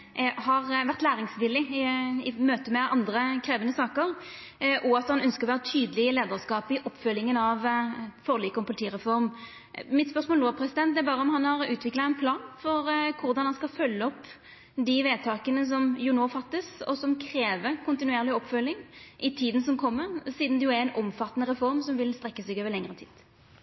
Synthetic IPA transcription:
hɑʁʋæʁt̪læːɾɪŋsʋɪlːɪɪmøːt̪əmɛʔɑnd̪ɾʁəkʰɾeːʋənəsɑːkəʁ | ʔɔɑt̪hɑnœnskəɾʁɔʋæːʁət̪ʰyːd̪əlɪəleːd̪əʁskɑːpɪʔɔpːfœlːɪŋənɑʋfɔʁliːkɔmpʰʊlɪt̪ʰiːʁɛfɔɾm | mɪt̪spœʁsmoːloːpʰɾɛsɪd̪ɛn̚d̪ɛæɾbɑːɾəɔmhɑnɑɾʉːt̪ʋɪklɑɛnpʰlɑːnfɔɾkʰʊɾd̪ɑnhɑnskɑfœlːəɔpː | d̪ɪʋeːt̪ʰɑːkənəs̬ɔmjʊnoːfɑt̪ːəsɔ̰sɔmkʰɾeːʋəkʰʊnt̪ɪnʉeːʁlɪɔpːfœlːɪŋʔɪt̪ʰiːd̪ən̩s̬ɔmkʰɔmːəʁsiːd̪nd̪ɛjʊæɛɪnʔɔmfɑt̪ːənəʁɛfɔɾmsɔmʋɪlst̪ɾɛkːəsɛɡøːʋəɾlɛŋəʁət̪ʰḭːd̪̥

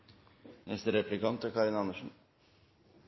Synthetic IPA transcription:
nɛst̪əɾɛplɪkɑnt̪əkʰɑɾɪnɑnəʂn̩

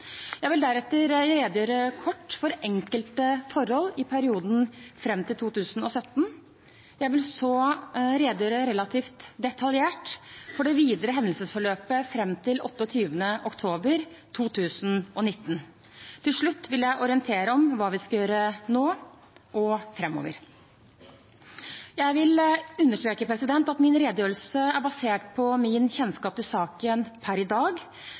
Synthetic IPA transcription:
jæɪʋɪld̪æɾɛt̪ːəɾɾeːd̪jøːɾəkʰɔʈːfɔɾʔɛŋkəlt̪əfɔɾhɔlːɪpʰæɾɪuːd̪n̩fɾɛmːt̪ʰɪlt̪ʰuːt̪ʉːsnɔsœt̪ːn | jæɪʋɪlsoːɾeːd̪əjøːɾəɾɛlɑt̪ʰiːft̪d̪ɛt̪ʰɑljeːʈfɔɖɛʋiːd̪əɾəɦɛnlsəsfɔɭøːpəfɾɛmːt̪ʰɪlɔt̪ːəɔt̪ʰyːʋənəʔɔkt̪ʰoːbəɾt̪ʰuːt̪ʰʉːsnɔnɪt̪ːən | t̪ʰɪlʂɭʉt̪ːʋɪljæɪʔɔɾɪənt̪ʰeːɾəɔmʋɑːʋɪskɑjøːɾənoː | ʔɔfɾɛmːo̰ːʋə̰ɾ | jæɪʋɪlʉnːəʂʈ̪ɾeːkəpʰɾɛsɪd̪ɛnt̪ɑt̪mɪnɾeːd̪əjøːɾlsəæɾbɑseːʈpʰɔmɪnçɛnskɑːp̪ɪlsɑːkənpʰæɾɪd̪ɑːɡ

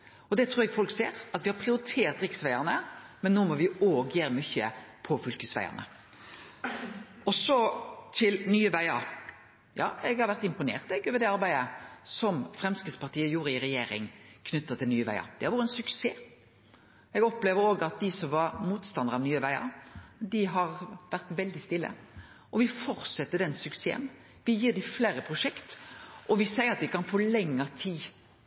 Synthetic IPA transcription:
ɔd̪ɛt̪ʰɾuːɾɛɡfɔlkseːɾɑt̪ʋɪhɑɾpʰʁɪʊɾɪt̪ʰeːɾt̪ɾɪksʋæɪəʁnəmɛnːoːmɔʋɪoːɡjeːɾəmʏçəpʰɔfʏlkʉsʋæ̰ɪə̰ʁnə̰ | ɔsɔt̪ʰɪlnyːəʋæɪəɾ | jɑ̰ːɛɡhɑɾʋæɾt̪ɪmpʊnḛːʁt̪ɛɡøːʋəd̪ɛɑɾbæɪd̪əsɔmfɾɛmskɪt̪spɑʁt̪ʰiːəjuːɾɪɪɾɛjeːɾɪ̰ŋkʰnʏt̪ːət̪ɪlnyːəʋæ̰ɪə̰d̪̥ɪhɑɾʋuːɾəɛnsʉkseː | ɛɡɔpːleːʋəɾoːɡəɑt̪̚d̪ɪsɔmʋɑɾmuːt̪st̪ɑnd̪əɾɑʋnyːəʋæɪɑ̰d̪ɪɦɑɾʋæʁt̪ʋɛld̪ɪst̪ɪlːə̰ | ʔɔʋɪfɔɾsɛt̪ːəd̪ɛnsʉksḛːə̰n | ʋɪjiːʁdɪfleːɾəpʰɾʊʂɛkt̪ʔɔʋɪsæɪəɾɑt̪̚d̪ɪkɑnfoːlɛŋːət̪ʰiː

